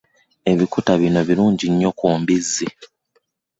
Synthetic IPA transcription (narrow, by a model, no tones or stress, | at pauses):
e̞βikutaβino̞βiɾuːɲɟiɲːo̞kuːmbizːi